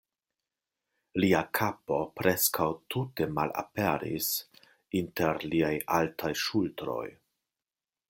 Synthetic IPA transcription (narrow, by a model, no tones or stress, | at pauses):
liakʰapo̞pɾʔe̞skawtute̞mala̰pe̞ɾḭs | inteɾliajaltʰajʃultɾo̞̰j